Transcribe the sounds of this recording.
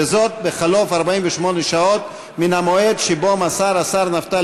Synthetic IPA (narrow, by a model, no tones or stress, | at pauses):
ezɔd̪̚beχalɔfaɾbaimbeʃumɔniʃaɔd̪ | minamɔjed̪ʃibɔmasaɾasaɾnaft̪a